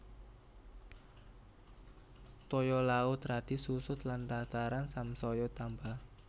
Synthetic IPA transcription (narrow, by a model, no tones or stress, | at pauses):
t̪ɔjɔlaʊt̪ɾad̪̥isusʊt̪lant̪at̪aɾansamsɔjɔt̪ambah